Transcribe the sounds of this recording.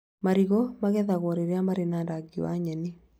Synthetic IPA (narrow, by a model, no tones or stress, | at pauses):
maɾiɣɔmaɣɛðaɣwɔɾeɾeamaɾenaːndaɡiwa̰ɲɛni